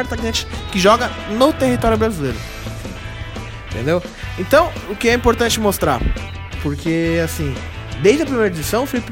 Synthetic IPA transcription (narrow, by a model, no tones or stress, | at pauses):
ɛɾt̪akẽt͡ʃɪ̥kɪʒɔɡɐ | not̪ehit̪ɔɾjʊbɾazileɾʊ | ĩt̪ḛ̃nd̪ew | ẽt̪ɐ̃w̃ | ʊkɪɛĩpoɾt̪ɐ̃nt͡ʃɪmost̪ɾa̰ɾ | poɾkʰeasĩ | d̪ejzd͡ʒɐpɾimejɾɐed͡ʒisɐ̃w̃ʊfilip